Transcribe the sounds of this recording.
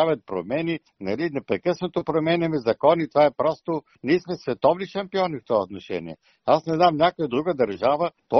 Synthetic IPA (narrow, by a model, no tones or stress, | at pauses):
avʲɐt̪̚pɾo̰mɛni | nɐlinɛpɾɛkɤsnot̪opɾomɛnɛmɛzɐkɔnit̪ovaɛpɾɔst̪o | niːsmɛsvɛt̪ɔvniʃɐmpiɔnift̪ɔvaot̪noʃɛ̰nʲḭɛ̰ | asnɛznamnʲakojəd̪ɾuɡəd̪ɐɾʒavəp̪o